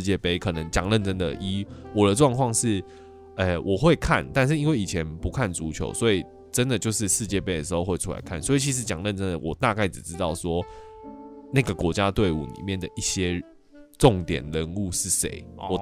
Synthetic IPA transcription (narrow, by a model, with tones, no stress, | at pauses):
t͡ɕjɛ˥˩pe˥˩ɪkʰɤ˨˩nə˧˦ŋt͡ɕjɑ̰˨˩ŋlə˥˨nʈ͡ʂə˥nd̪ə̰˨ʔi˥wɔ˨˩d̪ə˦ʈ͡ʂwɑ˥˧ŋkʰwɑ˥˧ŋʂɻ̩˥˩ | ɛ˨˩wʔɔ˨˩xwe˥˧ɪkʰa˥˨nt̪a˥˧nʂ̬ɻ̩˥˩i˦˥nwe˥˩ɪi˨˩t͡ɕʰjɛ˨˧˦npu˧˦˥kʰa˥˩nʈ͡ʂu˧˥t͡ɕʰjo̰˧˥ʊswɔ˧˥i˨˩ | ʈ͡ʂə˦nd̪ə˨t͡ɕjo˥˧ʊʂɻ̩˥˧ʂɻ̩˥˧t͡ɕjɛ˥˩pe˥ɪd̪ə˨˩ʂ̬ɻ̩˧˥xo˥˧ʊxwe˥˧ɪʈ͡ʂʰu˥la̰˧ɪkʰa̰˥˩nswɔ˧˥i˨˩t͡ɕʰi˧˥ʂ̬ɻ̩˧˥t͡ɕjɑ˨˩ŋlə˥˨nʈ͡ʂə˦nd̪ə˨wɔ˨˩t̪a˥˧ka˥˩ɪʈ͡ʂɻ̩˨˩ʈ͡ʂɻ̩˥˦t̪ɑ˥˩ʊswɔ˥ | na˥˩ɡə˩kwɔ˧˥t͡ɕja˦˥t̪we˥˩ɪṵ˨˩nḭ˨˩mjɛ˥˩nd̪ə˩ʔi˥˩ɕjɛ˦˥ | ʈ͡ʂɔ˥˨ŋt̪jɛ̰˨˩nɻə˧˦nu˥˧ʂɻ̩˥˩ʂḛ˧˦ɪwɔ˨˩